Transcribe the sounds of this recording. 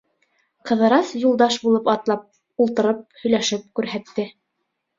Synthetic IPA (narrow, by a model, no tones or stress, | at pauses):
qɤ̆ðɤ̆ɾɑsjulˠd̪ɑʃbulˠɤpɑt̪lˠɑp̚ | ulˠt̪ɤ̆ɾɤp̚hɵ̆jlæʃɘp̚kʉɾɦæt̪ːɘ